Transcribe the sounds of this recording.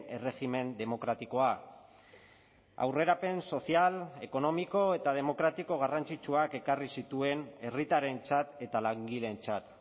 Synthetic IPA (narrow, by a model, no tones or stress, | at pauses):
e̞re̞xime̞nd̪e̞mo̞kɾat̪iko̞a | a̰wre̞ɾape̞nso̞siale̞ko̞no̞miko̞e̞t̪aðe̞mo̞kɾat̪iko̞ɣ̞arant͡sit͡ʃuake̞karisit̪ue̞ne̞rit̪aɾe̞nt͡sat̪e̞t̪alaŋɡile̞nt͡sat̪